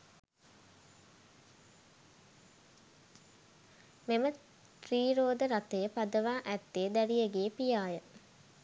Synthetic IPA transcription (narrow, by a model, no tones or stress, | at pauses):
memə | t̪riːɾoːd̪əɾat̪ejəpad̪əʋaːʔæt̪ːeːd̪æɾijəɡeːpijaːjə